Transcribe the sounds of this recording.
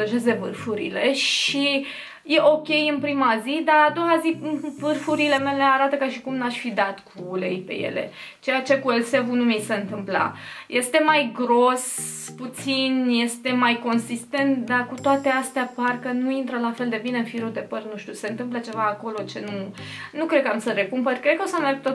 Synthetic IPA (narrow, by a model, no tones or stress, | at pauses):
əʒeze̞vɨrfuɾḭle̞ʃi | je̞ʔo̞kʲe̞jɨnpɾimazid̪aɾad̪o̞wazivɨrfuɾile̞me̞le̞aɾat̪əkaʃikumnaʃʲfid̪at̪kʰulejpe̞̰je̞̰le̞̰ | t͡ʃe̞jat͡ʃe̞kuelse̞vunumisəɨnt̪ɨmpla̰je̞st̪e̞majɡɾosput̪sinje̞st̪e̞majko̞nsist̪e̞nt̪d̪akut̪oat̪east̪eaparkənuint̪ɾəlafe̞ld̪e̞bineɨnfiɾud̪e̞pərt̪nuʃt̪ʲjuse̞ɨnt̪ɨmplət͡ʃe̞vaːko̞lo̞t͡ʃe̞nunukɾe̞d̪kamsəɾekumpərkɾed̪̚kəosəmerɡ̚t̪o